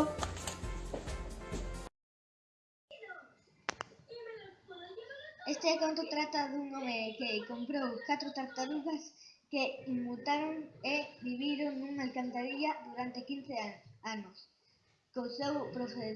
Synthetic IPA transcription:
est̪eɛkont̪ot̪ɾat̪ɐðuŋomekeɪkompɾowkat̪ɾot̪akt̪aɾiβɐs | keiːut̪aɾoŋebiβiɾoŋnuŋalkant̪aðiʎɐðuɾant̪ekin̟θeanʊs | kosewpɾofe

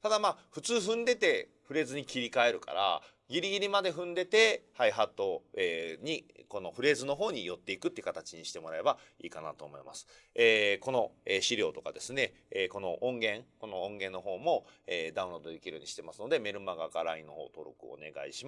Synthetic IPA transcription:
t̪ad̪amaːɸɯ̟t͡sɨːɸɯ̟̃nd̪e̞t̪e̞ | ɸɯ̟ɾe̞ːzɨɲ̟ikʲiɾʲikae̞ɾɯ̟ka̰ɾa̰ | ɡʲiɾʲiɡʲiɾʲimad̪e̞ɸɯ̟̃nd̪e̞t̪e̞haiɦat̪ːo̞eɲ̟iko̞no̞ɸɯ̟ɾe̞ːzɨno̞ɦo̞ːɲ̟ijo̞t̪ːe̞ikɯ̟t̪ːeiɯ̟kat̪at͡ɕiɲ̟iɕi̥t̪emo̞ɾae̞ba | iːkana̰t̪o̞ːmo̞imasɨ̥ | eːko̞no̞eːɕiɾʲo̞ːt̪o̞kad̪e̞sɨne̞ː | ko̞no̞ʔõŋɡẽ̞ŋko̞no̞õŋɡẽ̞nːo̞ɦo̞ːmo̞ed̪aɯ̟̃o̞d̪oekʲiɾoɲiɕi̥t̪e̞masɨno̞d̪e̞me̞ɾɯ̟maɡakaɾaĩnːo̞̰hoːt̪o̞ɾo̰kɯ̟̰o̰ne̞̰ɡa̰ḭɕim

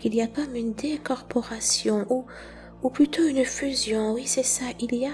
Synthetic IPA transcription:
kiliakɔmynd̪ekɔʁpɔʁasjɔ̃ʔu | uplyt̪oynfyzjɔ̃wisɛsaʔilija

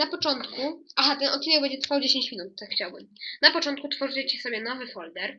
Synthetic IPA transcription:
napɔt͡ʂɔnt̪kuʔaɦat̪ɛnɔt̪̚ʲilɛbɛɲd͡ʑɛt̪ɾfawd͡ʑeɕeɲt͡ɕmʲinut̪̚ːakxːt͡ɕawbɘmnapɔt͡ʂɔnt̪̚kut̪fɔʐɨt͡ɕɛt͡ɕisɔbʲjɛnɔvɘfɔld̪ɛɾ

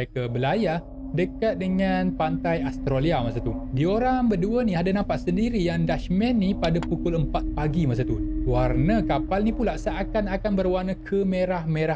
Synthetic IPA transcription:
ekabəlaja | dəkat̪̚dəŋanpant̪ajast̪ɾoliamasat̪udioɾaŋbəduənĩadanãmpaʔsəndiɾijaŋdaʃmɛnːipadapukʊləmpat̪̚paɡimas̬at̪uwarnəkapalnĩpulaʔsaʔakanakanbərwarnəkʰəmeɾahmeɾa

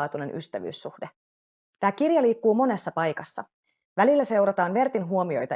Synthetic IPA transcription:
t̪une̞nʔy̰st̪æʋy̰ːsːuhd̥e | t̪æːkirjɑliːkːuːmo̞ne̞sːɑpɑjkɑsːɑ̰ | ʋælilːæse̞wɾɑt̪ɑːnʋe̞rt̪inɦuo̞mio̞̰jt̪ɑ

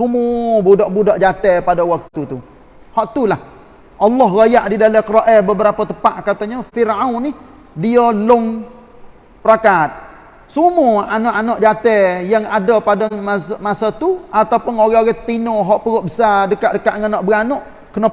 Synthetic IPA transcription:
sumubudɔʔbudɔʔd͡ʒat̪ɛpadɔwak̚t̪ut̪u | hɔʔt̪ulah | ʔɑlːɔɦɾajaʔdidaləkɾoʔɛbəbəɾapət̪əpaʔkat̪əɲəfirawnih | diəlʊŋ | pəɾakat̪̚ | sumuanɔʔanɔʔd͡ʒat̪ɛjaŋadəpadamasmasət̪uʔat̪awpʊnoɣɛoɣɛt̪inɔɦɔʔpəɣɔʔbəsadəkaʔdəkaʔŋənɔʔbəanɔʔ | kənə

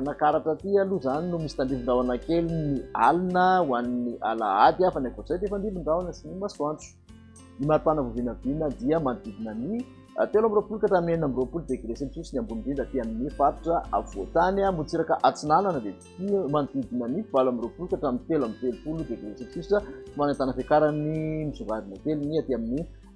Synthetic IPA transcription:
nakaɾaʈ͡ʂət̪ialuzaninumisi̥t̪anɖ͡ʐ̪iviɳɖ͡ʐawanakelinialinəwaniniʔa̰la̰ad̪afanakozajd̪eefand̪iviɳɖ͡ʐawanəsinimasuant͡su̥ | imat̪anəvovinəvinəd̪iəmanid̪id̪inani | a̰t̪elamiɾopulukaʈ͡ʂamineinamiropulud̪eɡɾeselisusiniambunɖ͡ʐind̪at̪iaminifat̪u̥ʈ͡ʂəʔa̰v̥o̰t̪anamut͡siɾakəʔat͡sinananəd̪e̥ | timanid̪id̪inaniv̥alamiɾopulukaʈ͡ʂamint̪elamint̪elupulud̪eɡɾeselsusiʈ͡ʂəimanant̪anəfekaɾanimizuŋɡad̪inat̪eluniat̪iamini

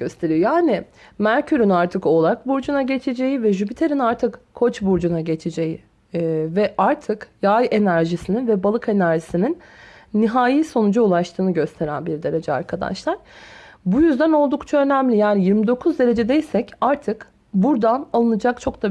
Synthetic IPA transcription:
ɟø̞st̪ʰe̞ɾijo̞jaːnɪ | mæɾcʰyɾynaɾt̪ʰɯko̞lˠak̚buɾd͡ʒunaɟe̞t͡ʃʰed͡ʒe̞jivɛʒypit̪ʰe̞ɾinaɾt̪ʰɯkkʰːo̞t͡ʃbuɾd͡ʒunaɟe̞t͡ʃʰed͡ʒeji | vɛʔaɾt̪ʰɯkjaje̞næɾʒisininvɛbalˠɯke̞næɾʒisininːiɦaːjiso̞nud͡ʒaulˠaʃt̪ʰɯːnɯɟø̞st̪ʰe̞ɾænbiɾd̪e̞ɾe̞d͡ʒɛa̰ɾkʰad̪a̰ʃlˠaɾ̥bujyzd̪æno̞lˠd̪ukt͡ʃʰaø̞næmlʲijaːnijiɾmid̪o̞kʰuzd̪e̞ɾe̞d͡ʒed̪e̞jsɛcaɾt̪ʰɯk | buɾd̪analˠɯnɯd͡ʒak̚t͡ʃʰo̞kd̪a

